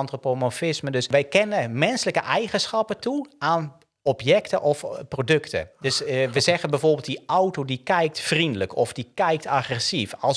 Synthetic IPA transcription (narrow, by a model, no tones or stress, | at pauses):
ɑntropomofɪsmədɵsʋɛjkɛnəmɛnsələkəʔɛjχənsχɑpətuaːn | ɔpjɛktəʔɔfprodøktə̰dɵsʋəzɛɣənbɛjvoːrbɪlˠt̚diʔɔwtodikɛjk̚tfrindələkʰɔfdikɛjk̚taχrɛsifɑlˠs